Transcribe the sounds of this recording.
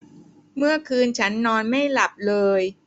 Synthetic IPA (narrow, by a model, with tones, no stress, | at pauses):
mɯ˥˩ɐkʰɯː˧nt͡ɕʰa˦˥nːɔː˧nma˥˩jla˨˩p̚lɤː˧j